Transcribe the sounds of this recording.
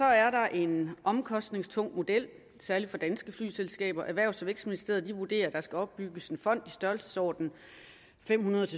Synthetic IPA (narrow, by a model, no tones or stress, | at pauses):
sɒ̽æɐɾ̥ɑ̈ʔe̝nʔɒ̽mkʰɒ̽sd̥ne̝ŋst͡sʰɔ̽ŋ̰mo̝d̥el̰ | sæɐlifɒ̽d̥ænsɡ̥əfly̰ːselsɡ̥ɛ̰ːb̥ɐʔæʋæɐ̰ʊsɒʋeɡ̥sminisd̥e̝̰ːɐð̩ˠd̥iʋud̥e̝̰ːɐd̥ɑ̈sɡ̥æɒ̽b̥ːyɡ̥əse̝nfɒ̽n̰d̥isd̥ɶɐlsə̥sɒ̰ːd̥n̩ | fem̰hunɐð̞ˠt͡sʰe